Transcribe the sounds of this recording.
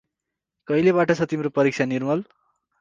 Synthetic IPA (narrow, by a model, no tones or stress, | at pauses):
kʌilebaʈʌt͡sʰʌt̪imɾopʌɾik̚t͡ʃʰanirmʌl